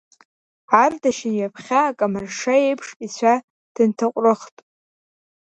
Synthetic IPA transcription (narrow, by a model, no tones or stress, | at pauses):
ardaʃɪnjapʰχʲaːkʼamarʂajejpʰʂʼit͡ɕʷʰa | d̥ɨntʰaqʷʼrɨχtʼ